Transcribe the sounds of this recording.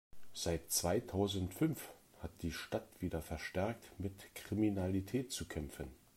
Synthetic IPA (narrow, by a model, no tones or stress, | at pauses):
z̥aɪtt͡sv̥aɪtʰaʊzən̩tfʏnf | hat̚d̥iːʃtatv̥iːdɐfɛɐʃtɛɐk̚tmɪtkʁ̥iminalitʰɛːt̚t͡sukʰɛmfən